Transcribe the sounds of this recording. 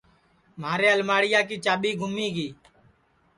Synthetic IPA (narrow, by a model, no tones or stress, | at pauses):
maːɾeːəlmaːɽɪjaːk̬iːt͡ʃaːɓiːɡʱʊmiːɡiː